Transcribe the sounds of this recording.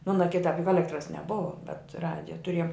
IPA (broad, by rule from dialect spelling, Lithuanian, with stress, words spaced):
ˈmoːnɐ ˈkʲɪtɐp jʊk ˈɑːlʲɛktrɐs nʲɛˈbʊʋɐ bʲɛt ˈrɑːdʲɪjɛ tʊˈrʲiɛjoːm